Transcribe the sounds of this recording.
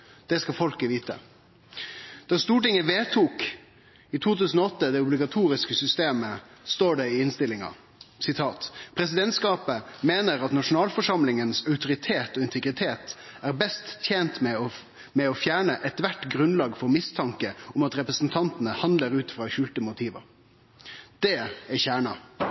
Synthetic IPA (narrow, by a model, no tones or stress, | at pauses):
d̪̥ɛskɑfɔlkəʋiːt̪ə̰ | d̪̥ɑːst̪uːʈɪŋəʋeːt̪ʰuːk | ɪt̪ʰuːt̪ʉːsn̩ɔɔt̪ːəd̪ɛʊblɪɡɑt̪ʰuːɾɪskəsʏst̪eːməst̪oːɖɛɪɪnst̪ɪlɪŋɑ̰ | sɪt̪ʰɑːt̪pʰɾɛsɪd̪ɛnt̪skɑːpəmeːnəɾɑt̪nɑʂʊn̩ɑːlfɔʂɑmlɪŋənsɑʉt̪ʊɾɪt̪ʰeːt̪ɔɪnt̪ʰɛɡɾɪt̪ʰeːt̪ | æɾbɛst̪ːʰjeːnt̪mɛɔ | mɛɔfjæːɳəʔɛt̪ʋæʈɡɾʉnlɑːɡfɔɾmɪst̪ʰɑŋkəʊmɑt̪ɾɛpɾəsn̩t̪ʰɑnt̪ənəhɑnləɾʉːt̪fɾɑːɕʉːlt̪əmʊt̪ʰiːʋə̰ɾ | d̪̥ɛæçæːɳɑ